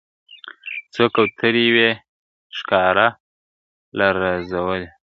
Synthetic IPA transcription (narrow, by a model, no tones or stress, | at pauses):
t͡sokawt̪ʰəɾijwe | ʃkɑɾa | laɾazawəle